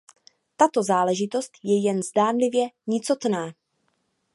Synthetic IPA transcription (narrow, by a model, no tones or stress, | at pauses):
t̪at̪o̞zaːlɛʒɪt̪o̞st̪jɛjɛnzdaːnlɪvjɛɲɪt͡so̞t̪naː